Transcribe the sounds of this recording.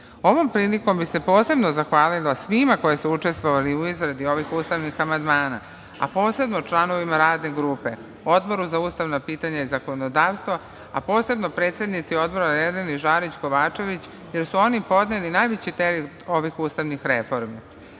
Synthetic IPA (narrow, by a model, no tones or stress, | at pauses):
o̞ʋo̞mpɾiːliko̞mbise̞po̞ːse̞bno̞zaxʋaːlilasʋimako̞jesuut͡ʂe̞st̪ʋoʋaliuizɾad̪io̞ʋixuːst̪aʋnixamand̪maːna̰ | a̰po̞ːse̞bnot͡ʃlˠano̞ʋimaɾaːd̪ne̞ɡɾuːpe̞̰ | o̞d̪bo̞ɾuzauːst̪aʋnapiːt̪aɲaizako̞nod̪aːʋst̪ʋo | apo̞ːse̞bnopɾe̞ːt̪se̞d̪nit̪sio̞d̪̚bo̞ɾaned̪eniʒaːɾit͡ɕko̞ʋaːt͡ʃe̞ʋit͡ɕ | je̞ɾsuo̞nipo̞d̪nelinajʋet͡ɕit̪eɾit̪o̞ʋixuːst̪aʋnixɾefo̞ɾmi